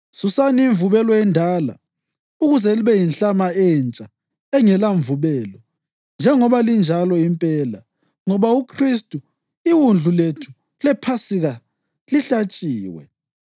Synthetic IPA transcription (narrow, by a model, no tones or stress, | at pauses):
susaniːɱvuβɛlɔɛndʱaːla̰ | uɣuzɛliβɛjinɬamaɛnt͡ʃʼa | ɛŋɛlaɱvuβɛlɔ | nd͡ʒʱɛŋɔβalind͡ʒʱalɔimpʼɛːla̰ | ŋɔβaukʰristʼu | iwund͡ɮʱuletʰu̥ | lɛpʰasiɣa | liɬat͡ʃʼiːwɛ̰